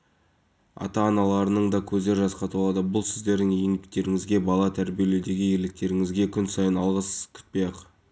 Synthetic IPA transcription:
ɑ̰t̪ɑːnɑlˠɑɾənəɴd̪ɑkʲʰɵzd̪e̞ɾʒɑsqɑt̪wlˠɑd̪əbʊlˠsɪzd̪e̞ɾd̪ɪŋjeŋbɪk̚t̪e̞ɾɪŋɪzɡʲe̞bɑlˠɑt̪ʰæɾbije̞led̪e̞ɡʲɪje̞lɪk̚t̪e̞ɾɪŋɪzɡʲe̞kʲʰʏnsɑjənɑlˠʁəskʲʰʏ̥t̪̚pejɑq

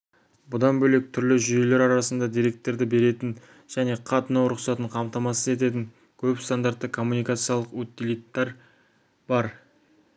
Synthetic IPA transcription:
bʊd̪ɑnbɵle̞k̚t̪ʰʏɾlɪʒʏje̞le̞ɾɑɾɑsənd̪ɑd̪ijɾe̞k̚t̪ːe̞ɾd̪ɪbe̞ɾe̞t̪ɪn | ʒ̥æne̞qʰɑt̪ənɑwɾʊqsɑt̪əɴqʰɑmt̪ɑmɑsəze̞t̪̬e̞t̪̬ɪŋ | kʲʰɵpst̪and̪aɾt̪ːəkʰo̞mːunijkat̪sɨjɑlˠəqwɵt̪ːilit̪ːɑɾ | bɑɾ

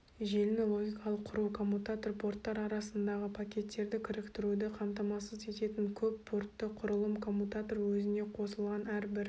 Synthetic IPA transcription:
ʒe̞lnelˠo̞ɡʲijkɑlˠəqʰːʊɾuwkʰo̞mːut̪at̪orpʰo̞rt̪ːɑɾɑɾɑsənd̪ɑʁəpʰakʲe̞t̪ːe̞ɾd̪ɪkʲʰɪɾɪkt̪ɪɾud̪ɪqʰɑmt̪ɑmɑsəze̞t̪e̞t̪ɪŋkʲʰɵpːʰo̞rt̪ːəqʰʊɾəlˠəmkʰo̞mːut̪at̪o̞rwɵzɪne̞qʰo̞səlˠʁɑnæɾbɪɾ

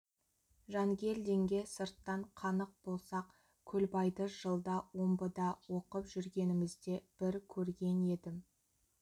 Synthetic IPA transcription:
ʒɑŋɡʲe̞ld̪e̞ŋɡʲe̞səɾt̪ːɑɴqʰɑnəq̚b̥o̞lˠsɑq | kʲʰɵlbɑjd̪əʒ̥əlˠd̪ɑwo̞mbəd̪ɑwo̞qəpʒʏɾɡʲe̞nɪmɪzd̪e̞b̥ɪɾkʲʰɵɾɡʲe̞ne̞d̪ɪm

